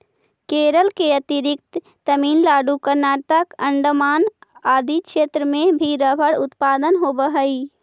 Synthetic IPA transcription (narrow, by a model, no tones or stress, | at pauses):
keːɾəlkeət̪ɪɾɪk̚t̪ː | əmiːnlaːɖukəɾnaːʈəkə̃ɳɖmaːnaːd̪ikʃeːt̪ɾəmẽbʱiɾəbʱəɽʊt̪paːd̪ənɦobəɦəi